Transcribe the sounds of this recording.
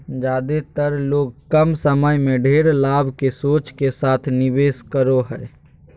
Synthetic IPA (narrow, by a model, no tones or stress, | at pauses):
d͡ʒaːd̪et̪əɾloːɡkəmsəməjmẽɖʱeːɾlaːbʱkesoːt͡ʃkesaːt̪ʰnɪbeːskəɾoɦɛː